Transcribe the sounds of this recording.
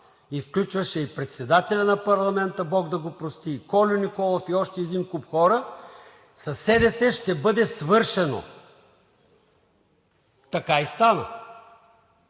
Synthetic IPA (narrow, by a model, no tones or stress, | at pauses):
ifklʲut͡ʃvɐʃɛipɾɛt̪sɛd̪at̪ɛlʲɐnɐpɐɾlˠɐmɛnt̪əbɔɡd̪ɐɡopɾost̪ikɔlʲʊnikɔlˠofiɔʃt̪ɛːd̪inkupxɔɾə | sɐsɛd̪ɛsɛʃt̪ɛbɤd̪ɛsvɤɾʃɛno̰ | t̪ɐkaist̪anə̰